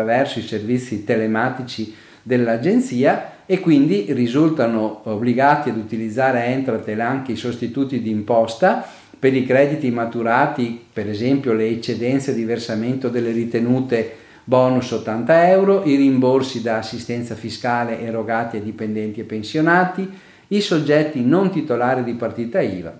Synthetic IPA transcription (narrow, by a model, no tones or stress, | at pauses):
vɛrsoiservit̪sːit̪elemaːt̪it͡ʃi | d̪elːad͡ʒent̪siːaekːwind̪irizult̪anoobliɡaːt̪iad̪ut̪ilid̪zːaːɾeɛnt̪ɾat̪elaŋk̟eisost̪it̪uːt̪id̪iːmpɔst̪a | peɾikɾɛd̪it̪imat̪uɾaːt̪ipeɾezɛmpjoleːt͡ʃːed̪ɛnt̪sed̪iversament̪od̪elːerit̪enuːt̪e | bɔːnusot̪ːant̪aɛwɾoʔirimborsid̪aːsːist̪ɛnt̪safiskaːleʔːɾoɡaːt̪ied̪ipend̪ɛnt̪iepːensjonaːt̪i | isod͡ʒːɛt̪ːinont̪it̪olaːɾid̪ipart̪iːt̪aiːva̰